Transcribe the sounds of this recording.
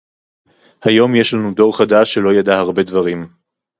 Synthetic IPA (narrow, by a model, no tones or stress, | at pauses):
hajo̞mjeʃlanudo̞ʁχadaʃːelo̞jadahaʁbe̞d̪vaʁim